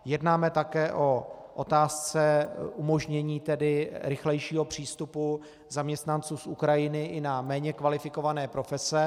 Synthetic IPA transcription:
jɛdnaːmɛt̪akɛːʔo̞ʔot̪aːst͡sɛʔumo̞ʒɲɛɲiːt̪ɛdɪɾɪxlɛjʃiːɦo̞pr̝̥iːst̪upu | zamɲɛst̪nant͡suːsʔukɾajɪnɪʔɪnamɛːɲɛkvalɪfɪko̞vanɛːpɾo̞fɛsɛ

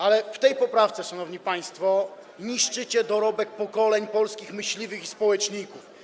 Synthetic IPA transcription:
alɛft̪ɛjpɔpɾaft̪sɛʂanɔvɲipaj̃st̪fɔ | ɲiʂt͡ʂɘt͡ɕɛd̪ɔɾɔbɛk̚pɔkɔlɛɲpɔlskʲixmɘɕlʲivɘxispɔwɛt͡ʂɲikuf

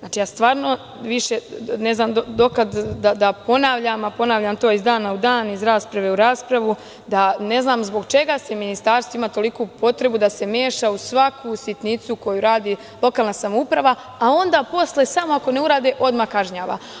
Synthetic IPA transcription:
zaːt͡ʃijaːst̪ʋaːɾno̞ | ʋiʃe̞ne̞znaːmd̪od̪o̞kad̪d̪ad̪apo̞naʋʎamapo̞naʋʎamt̪o̞ːizd̪aːnaud̪aːnizɾaːspɾaʋe̞uɾaːspɾaʋu | d̪ane̞znaːmzbo̞ɡt͡ʃe̞ɡaseminist̪aːɾst̪ʋoimat̪o̞likupo̞t̪ɾe̞bud̪ase̞meːʃausʋakʰusit̪nit̪suko̞juɾaːd̪iː | lˠo̞kaːlˠnasamoupɾaʋaː | o̞nd̪aːpo̞slˠesamoako̞ne̞uɾaːd̪eʔo̞d̪makaʒɲaːʋa̰

